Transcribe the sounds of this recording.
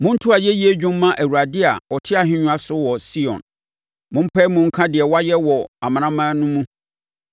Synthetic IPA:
mʊ̃˦n̩˦tʰʊ˦a˨jɛ˦ji˦e˦d͡ʑᶣũ˦mː˦ã˦ʔæ˨wu˨ɾa˨dɪ˦a˨ɔ˨tʰɪ˦a˨ɦɪ̃˦ɲũ˨˦a˦sʊ˦wɔ˨si˦ɔ̰̃˨n | mʊ̃˦m̩˦pʰɛː˦mʊ̃˦ŋ̩˦kʰã˦dɪ˨ɛ˨wa˦jɛ˦wɔ˨a˨mã˨ñã˦mãː˦nʊ̃˦mũ˦

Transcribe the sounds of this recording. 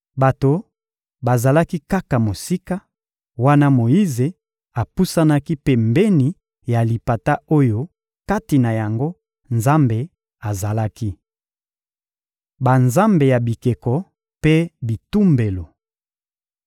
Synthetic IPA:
ba˨to˨ | ba˨za˨la˦ki˦ka˦ka˨mo˨si˦ka˦ | wa˦na˦mo˨ji˦ze˨ | a˨pu˦sa˦na˦ki˦pe˦mbe˦ni˨ | ja˨li˨pa˨ta˦o˦jo˦ | ka˦ti˨na˨ja˨ŋɡo˦ | nza˦mbe˨ | a˨za˨la˦ki˦ | ba˨nza˦mbe˨ja˨bi˨ke˨kɔ˨ | pe˦bi˨tu˦mbe˨lo˨

